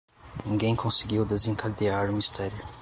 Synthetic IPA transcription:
nĩŋɡẽj̃kʰõsiɡiwd̪ezẽŋkʰad̪iaɾʊmist̪ʰɛɾjʊ

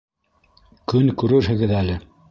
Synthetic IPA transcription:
kɵnkʉɾɘɾɦɘ̆ɡɘðælɘ

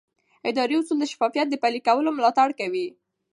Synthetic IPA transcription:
ɪd̪ɑɾiʊsuld̪əʃḁfɑfijat̪̚d̪əpalikawəlomlɑt̪aɽkawi

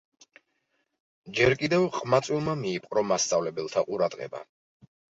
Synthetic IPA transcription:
d͡ʒɛɾkʼid̪ɛvqʼmat̪sʼwilˠmamiːpʼqʼɾɔmast̪sʼavlɛbɛlˠt̪ʰaqʼuɾad̪̥ʁɛ̰ba̰

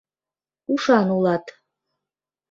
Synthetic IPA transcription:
uʂanulˠat̪ʼ

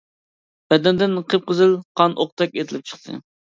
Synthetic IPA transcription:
b̥ɛd̪ɛnd̪ɪnqʰəp̚qəzɨlˠqʰɑnʔoq̚t̪ʰɛkʲet̪ʰɪlɪp̚t͡ʃʰə̥χt̪ʰɨ̰

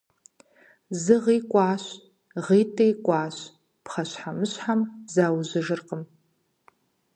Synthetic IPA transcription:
zɨʁiːkʷʼɑːɕ | ʁiːtʰʼejkʷʼaːɕ | pχɐɕħamɨɕħamzaːwzɨʒɨrqʼəm

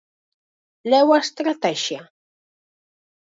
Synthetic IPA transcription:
lewast̪ɾat̪aʃa

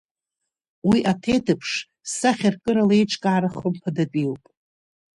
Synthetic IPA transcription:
wiʔatʰejtʰɨpʰʂ | saχʲarkʼɨɾalaejʈ͡ʂʰʼkʼaʕaɾaχʊmpʰadatʼiwpʼ

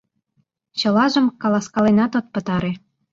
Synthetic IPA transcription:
t͡ɕɤ̆lɑʒə̆mkɑlɑskɑlenɑt̪ot̪̚pə̆t̪ɑɾe

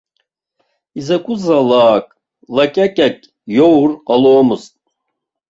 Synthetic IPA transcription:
izɛkʷʼuzalˠaːkʼ | lakʼakʼakʼ | jowɾalˠoːmuzt̪̚ʼ

